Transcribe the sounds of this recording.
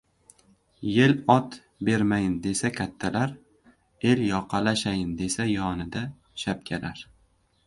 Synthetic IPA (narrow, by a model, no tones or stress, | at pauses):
je̞lɒt̪ | be̞ɾmajɪnd̪e̞sakʲʰat̪ʰːalaɾ | e̞ljɒqʰɑlaʃajɪnd̪e̞sajɒnɪd̪a | ʃap̚kʲʰalaɾ